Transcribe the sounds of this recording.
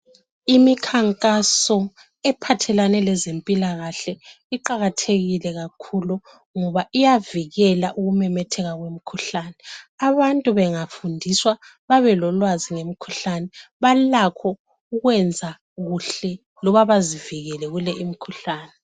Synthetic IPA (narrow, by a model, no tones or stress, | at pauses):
imikʰaŋkʼasɔ | ɛpʰatʰɛlanɛlɛzempʼilaɣaɬɛ | iǃaɣatʰeɣilɛɣakʰulu | ŋɔβaʔijaviɣɛlaʔuɣumɛmɛtʰɛɣaɣwem̩kʰuɬaːnɛaβantʼuβɛŋafundʱiswa | βaβɛlɔlwaziŋem̩kʰu̥ɬanɛβalakʰɔ | uɣwɛnd͡zʱa | ɣuɬɛ | lɔβaβaziviɣɛlɛɣulɛʔimikʰuɬaːnɛ